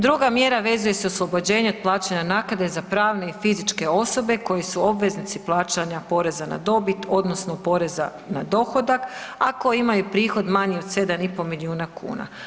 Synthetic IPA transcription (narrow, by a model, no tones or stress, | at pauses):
d̪ɾuɡamje̞ɾaʋe̞zuje̞seoslˠo̞bo̞d͡ʑe̞ːɲeod̪̚plˠaːt͡ɕaɲanaːkad̪ezapɾaːʋne̞ifizit͡ʃke̞o̞so̞be̞ko̞jisuo̞bʋe̞znit̪siplˠaːt͡ʃaɲapo̞ɾe̞zana̰d̪o̞bit̪o̞d̪no̞snopo̞ɾe̞za̰ | na̰d̪o̞xo̞d̪akako̞jimajupɾiːxo̞d̪maɲiod̪se̞d̪anipo̞miliuːnakʰṵːna̰